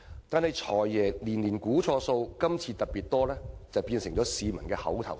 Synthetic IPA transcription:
t̪aː˨nhɐ˨jt͡ʃʰɔː˨˩jːɛː˨˩liː˨˩nliː˨˩nkuː˨˥t͡ʃʰɔː˧so˧wkɐ˥mt͡sʰiː˧t̪ɐ˨t̚piː˨˩t̚t̪ɔː˥lɛː˥t͡sɐ˨˧wpiː˧nsɪ˨˩ŋt͡ʃɔː˨˥siː˨˧mɐ˨˩nkɛː˧hɐ̰˨˥wt̪ʰɐ̰˨˩w

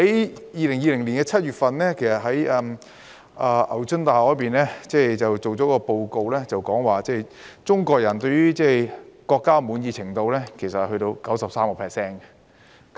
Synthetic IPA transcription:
hɐ˨˥jjiː˨˧lɪ˨˩ŋjiː˧lɪ˨˩ŋliː˨˩nkɛː˧t͡sʰɐ˥t̚jyː˨t̚fɐ˧nlɛː˥kʰe˨˩jsɐ˨t̚ɦɐ˨˥jɛ˧m | ʔaː˧ʔɐ̰˨˩wt͡ʃɵ˥nt̪aː˨˩hɔː˨˥jpiː˨˩nlɛː˥t͡sɛː˥˧t͡sɐ˨wt͡so˨wt͡sɔː˨˥kɔː˧po˧wko˧wlɛː˥t͡sɐ˨wkɔː˨˥ŋwaː˨t͡sɛː˥˩jt͡sʊ˥ŋkɔː˧k̚jɐ˨˩nt̪ɵ˧ɥyː˥t͡sɛː˥˩kɔː˧kːaː˥muː˨˧njiː˧t͡sʰɪ˨˩ŋt̪o˧wlɛː˥kʰe˨˩jsɐ˨t̚hɵ˧t̪o˧wkɐ˨˥wsɐ˨p̚saː˥mkɔː˧pʰɛː˨ksɛː˥n

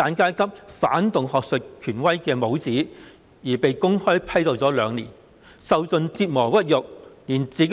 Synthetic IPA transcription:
aː˨˧˥nkaː˥jkʰɐ˥p̚faː˨˥nt̪ʊ˨ŋhɔː˨k̚sɵ˨t̚kʰyː˨˩nwɐ˥jkɛː˧mo˨˥wt͡siː˨˥ | jiː˨˩pe˨jkʊ˥ŋhɔː˥jpʰɐ˥jt̪o˨˧wt͡sɔː˨˥lœː˨˧ŋlḭː˨˩n | sɐ˨˧wt͡sɵ˨˧nt͡siː˧t̚mɔː˨˩wɐ˥t̚jʊ˨k̚niː˨˩nt͡siː˨˥

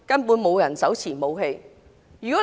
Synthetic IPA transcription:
kɐ˥npuː˨˥nmo˨˧wjɐ˨˩nsɐ˨˥wt͡sʰiː˨˩mo˨˧wɦe˧j | jy˨˩kɔː˨˥

